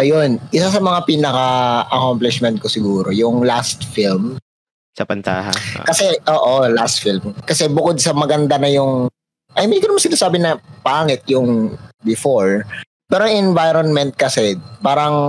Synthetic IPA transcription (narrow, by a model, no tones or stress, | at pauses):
ʔɐjonʔɪsasɐmɐŋapiːnɐkɐʔɐkomplɪsmɛnt̪̚kosɪɡuːɾojʊŋlast̪film | sɐpɐnt̪aːɦa̰kɐsɛʔoːʔolast̪̚filmkɐsɛbʊkod̪̚sɐmɐɡɐnd̪anɐjʊŋ | ʔɐjmɪd̪ikonɐmaŋsɪnaːsaːbɪnɐpaːŋɛt̪̚jʊŋbɪfoɹ | pɛːɾoŋʔɛnvajɾonmɛnt̪̚kɐsɛpaːɾɐŋ